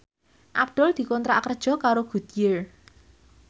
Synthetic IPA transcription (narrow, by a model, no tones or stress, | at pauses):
ʔabd̪̥ɔld̪̥i̤kɔnt̪ɾa̰kərd̥ʒ̥ɔ̤kaɾoɡ̥ṳd̪̥ije